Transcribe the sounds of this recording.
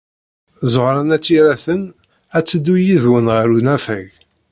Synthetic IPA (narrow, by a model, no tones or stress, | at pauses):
zoʁɾˤɑnæt͡sːiɾæθən | æt͡sːəd̪ːujiðwənʁəɾunæfæ̰ʝ